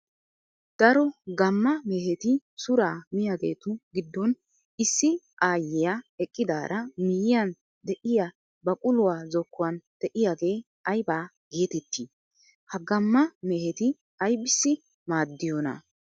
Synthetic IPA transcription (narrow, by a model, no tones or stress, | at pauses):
d̪̥ɐɾɔɡɐmːɐmeɦɛt̪ɪsʊɾaːmɪjaɡe̞̰ːt̪ʊɡɪd̪ːɔn | ɪsːɪ | ʔaːjːɛjaɛkʼːɪd̪aːɾɐmɪjɪjɐn | d̪ɛʔɪja | bɐkʼʊlʊwaːzɔkːʊwɐnd̪̥ɛʔɪjaːɡe̞ː | ɐjbaː | ɡ̥eːt̪ɛt̪ːiː | hɐɡɐmːɐmeːhɛt̪ɪ | ɐjbɪsːɪ | maːd̪ːɪjɔnɐ̰